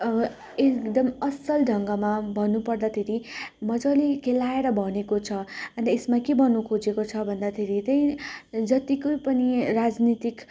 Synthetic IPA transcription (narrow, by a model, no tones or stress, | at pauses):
ekd̪ʌmʌsʌlɖʱʌŋɡʌmabʱʌnːupʌrd̪at̪ʰeɾimʌd͡zʌlikʰelaeɾʌbʱʌnekot͡sʰʌʌnesmakebʱʌnːukʰod͡zekot͡sʰʌbʱʌnd̪at̪ʰeɾit̪ʌj̃d͡zʌt̪ikojpʌniɾad͡znit̪ik